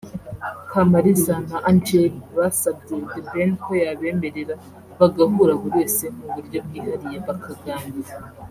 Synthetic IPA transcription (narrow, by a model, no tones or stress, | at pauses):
kʰamaɾizanaʔand͡ʒeβasab̚ɟedebenkojaβeːmeɾeɾa | βaɡaɦuːɾaɡoweːse̞n̥uβuɾɟob̚ɡiːhaɾijeβakʰaɡaːnbiɾa